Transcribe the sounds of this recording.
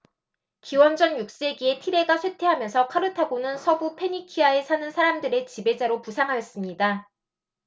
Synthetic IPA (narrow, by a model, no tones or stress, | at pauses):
kiwʌnd͡ʑʌnjuk̚s͈e̞ɡie̞tʰiɾe̞ɡasʰwetʰe̞ɦamjʌnsʰʌkʰaɾɯtʰaɡonɯnsʰʌbupʰe̞ɲikʰiae̞sʰanɯnsʰaɾamdɯɾe̞t͡ɕibe̞d͡ʑaɾopusʰaŋɦajʌs͈ɯmɲida